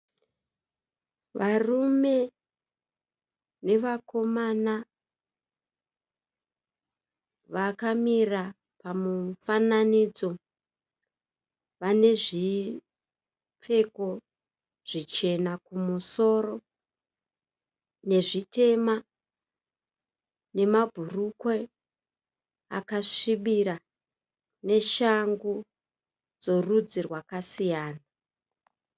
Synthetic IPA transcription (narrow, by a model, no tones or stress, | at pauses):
ʋarume̞ | ne̞ʋako̞mana | ʋakamira | pamufananid͡zo̞ | ʋane̞ʐi | p͡fe̞ko̞ | ʐ̥it͡ʃe̞nakumuso̞ro̞ | ne̞ʐite̞ma | ne̞mabʱurukwe | a̰kaʂiɓiɾa | ne̞ʃaŋɡu | d͡zo̞rud͡zirwakasijaːna